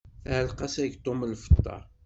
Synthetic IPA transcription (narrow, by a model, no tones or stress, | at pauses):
θæhəlqɑsæʝt̪ˤːoməlfə̥t̪ˤːɑ̰